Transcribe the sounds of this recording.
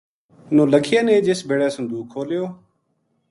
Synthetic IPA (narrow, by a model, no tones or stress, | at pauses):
nõːləkʰɪjaːnẽːd͡ʒesbʱeːɽaːsʊnd̪uːkʰːoːlɪjoː